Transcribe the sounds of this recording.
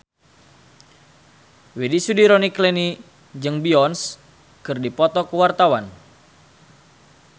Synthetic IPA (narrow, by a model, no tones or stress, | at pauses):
wedisudiɾoniklɛni | d͡ʒɨŋbiɔns | kɨrdipɔt̪ɔkəwart̪awan